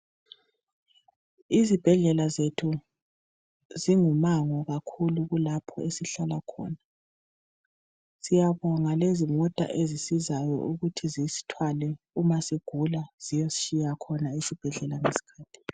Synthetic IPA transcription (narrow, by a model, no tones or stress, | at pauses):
izib̥ʱɛɮɛlazetʰu | ziŋumaŋɔɣakʰuluɣulapʰɔesiɬalakʰɔ̰ːna | sijaβɔŋalezimɔtʼa̰ʔezisizajɔ̰ʔuɣutʰizisi̥tʰwalɛ | umasiɡ̥ʱulaz̥ijɔzi̥ʃijakʰɔnaisib̥ʱɛɮɛlaŋesi̥kʰaːtʰi̥